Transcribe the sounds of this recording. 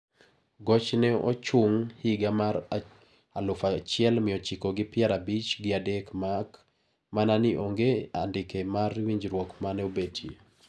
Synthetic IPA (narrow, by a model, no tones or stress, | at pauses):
ɡɔt͡ʃnɛɔ̰t͡ʃʊŋhiɡamaɾ | alʊfat͡ʃɪɛlmɪɔt͡ʃikɔɡɪpɪɛɾabit͡ʃɡɪadekmak | mananɪʔoŋɡea̰ndɪkemarwiɲd͡ʒɾwɔkmanɛobetʰji